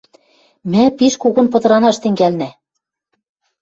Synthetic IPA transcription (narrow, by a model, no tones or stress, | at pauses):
mæpiʃkuɣɤ̆npɤ̆t̪ɤ̆ɾɑnɑʃt̪ɘ̆ŋɡælnæ